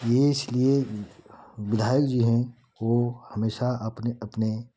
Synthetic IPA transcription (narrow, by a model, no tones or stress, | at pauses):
jeɪslie | ʋɪd̪ʱaːjəkd͡ʒoːɦɛ̃ | ʋohɐmeːʃaəpneɐpne